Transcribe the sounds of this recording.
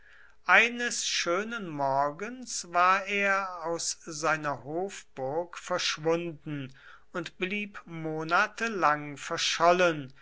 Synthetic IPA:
ʔaɪnəsʃøːnənmɔɐɡənsvaːɐʔeːɐaʊszaɪnɐhoːfb̥ʊɐkfɛɐʃv̥ʊndn̩ | ʊntb̥liːpmoːnatəlaŋfɛɐʃɔlən

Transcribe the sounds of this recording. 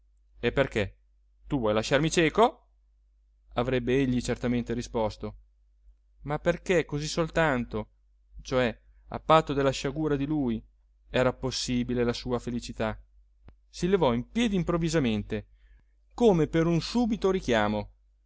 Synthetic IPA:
epːerke | t̪uvwɔjlaʃarmit͡ʃɛːko | avɾɛbːeeʎːit͡ʃert̪ament̪eɾispɔst̪o | mapːerkekːozisolt̪ant̪o | t͡ʃoɛ | a̰pːat̪ːod̪elːaʃaɡuːɾad̪iluːj | ɛːɾaposːiːbilelasuːafelit͡ʃit̪a | silevɔimpjɛːd̪iːmpɾovːizament̪e | koːmepeɾunsuːbit̪oɾik̟jaːmo

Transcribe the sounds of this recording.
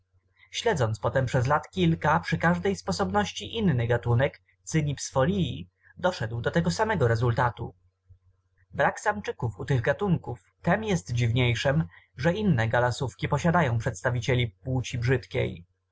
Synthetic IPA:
ɕlɛd̪zɔnt̪spɔt̪ɛmpʂɛzlat̪kʲilkapʂɘkaʐd̪ɛjspɔsɔbnɔɕt͡ɕiʔinːɘɡat̪unɛk | t̪sɘɲipsfɔlʲii | d̪ɔʂɛd̪wd̪ɔt̪ɛɡɔsamɛɡɔɾɛzult̪at̪ṵ | bɾaksamt͡ʂɘkufut̪ɘɣɡat̪uŋkuf | t̪ɛmjɛst̪d͡ʑivɲejʂɛm | ʐɛinːɛɡalasufkʲipɔɕad̪ajɔ̃w̃pʂɛt̪st̪avʲit͡ɕelʲipwut͡ɕibʐɘt̪kʲḛj

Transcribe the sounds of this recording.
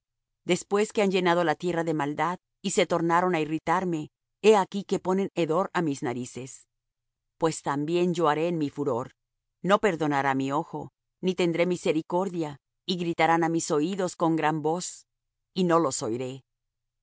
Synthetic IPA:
d̪e̞spwe̞ske̞and͡ʒe̞nað̞o̞lat̪je̞raðe̞mald̪að | ise̞t̪o̞ɾnaɾo̞nairit̪aɾme̞ | eakike̞po̞ne̞neðo̞ɾamiznaɾise̞s | pwe̞st̪ambje̞nd͡ʒo̞aɾe̞ːnmifuɾo̞ɾ | no̞pe̞ɾðo̞naɾamio̞xo̞ | nit̪e̞nd̪ɾe̞mise̞ɾiko̞ɾðja | iɣɾit̪aɾanamiso̞iðo̞sko̞ŋɡɾambo̞s | ino̞lo̞so̞jɾe̞

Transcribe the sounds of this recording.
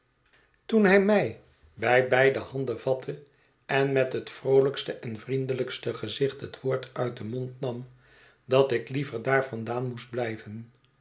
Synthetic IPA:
tunɦɛjmɛj | bɛjbɛjdəhɑndəvɑtʰə | ɛnmɛtɦətfrowləkstəʔɛnvrindələkstəχəzɪχtɦətʋʊːɹtœɥt̚dəmontnɑm | dɑtɪklivəɹdaːɹvɑndaːnmusd̚blɛjvən

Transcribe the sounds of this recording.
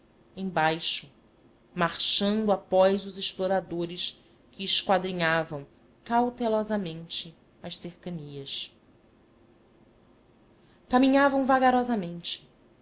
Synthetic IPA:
ẽj̃bajʃʊ | maɾʃɐ̃nd̪ʊapɔjzʊzɪʃploɾad̪oɾɪʃ | kɪːʃkwad̪ɾiɲavɐ̃w̃ | kawt̪elɔzɐmẽnt͡ʃɪ | ɐʃseɾkɐniɐʃ | kamĩɲavɐ̃w̃vaɡaɾɔzɐmẽnt͡ʃɪ̥

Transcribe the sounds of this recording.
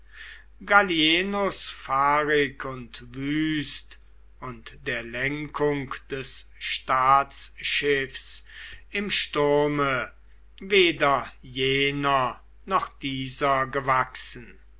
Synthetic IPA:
ɡaljeːnʊsfaːʁɪkʰʊntvyːst | ʊntd̥eːɐlɛŋkʰʊŋkd̥ɛsʃtaːsʃɪfsɪmʃtʊɐmə | veːdɐjeːnɐ | nɔχd̥iːzɐɡəvaksən̩

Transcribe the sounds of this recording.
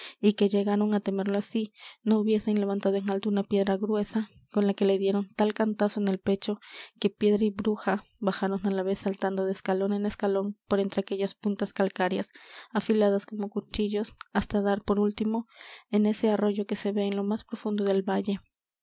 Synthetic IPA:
ike̞ʝe̞ɣaɾo̞ŋat̪e̞me̞ɾloasino̞uβje̞se̞nle̞βant̪að̞oeŋalt̪ounapje̞ðɾaɣɾwe̞sa | ko̞nlake̞le̞ðje̞ɾo̞nt̪alkant̪aso̞ene̞lpe̞t͡ʃo̞ke̞pje̞ðɾaiβɾuxaβaxaɾo̞nalaβe̞sːalt̪and̪o̞ðeskalo̞ne̞ne̞skalo̞npo̞ɾe̞nt̪ɾeake̞ʝaspunt̪askalkaɾjasafilaðasko̞mo̞kut͡ʃiʝo̞sast̪aðaɾpo̞ɾult̪imo̞e̞ne̞se̞aro̞ʝo̞ke̞se̞βe̞ːnlo̞maspɾo̞fund̪o̞ðe̞lβaʝe̞

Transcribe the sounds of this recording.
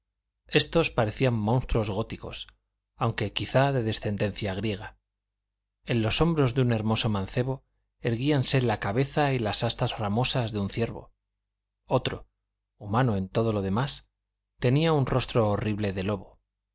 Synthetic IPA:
e̞st̪o̞spaɾe̞θiamːõ̞nst̪ɾo̞zɣo̞t̪iko̞̰s | awŋke̞kiθaðe̞ðe̞sθe̞nd̪e̞n̟θjaɣ̞ɾje̞ɣ̞a | e̞nlo̞so̞mbɾo̞zðeune̞ɾmo̞so̞mãnθe̞βo̞ | e̞ɾɣianse̞lakaβe̞θailasast̪azramo̞sazðeun̟θje̞ɾβo̰ | ot̪ɾo̞̰ | umanoe̞nt̪o̞ð̞o̞lo̞ð̞e̞mas | t̪e̞niaunro̞st̪ɾo̞ːriβle̞ðe̞lo̞βo̞

